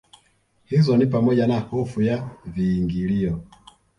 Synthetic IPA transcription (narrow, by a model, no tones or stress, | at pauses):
hizɔnipamɔʄanahɔfujaviːŋɡiliɔ